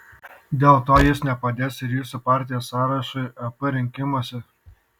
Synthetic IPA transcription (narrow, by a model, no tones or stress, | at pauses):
d̪ʲeːlˠt̪oːjɪsnʲɛpɐd̪ʲeːsɪɾjuːsʊpɑːˑɾʲt̪ʲɪjoːsɑːɾɐʃɐɐpɐɾʲɪŋʲkʲɪmoːsʲɛ